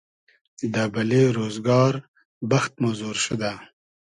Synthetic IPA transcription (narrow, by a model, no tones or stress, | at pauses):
d̪abɐleɾoːzɡɑːɾ | bɐxt̪̚mazoːɾʃəd̪a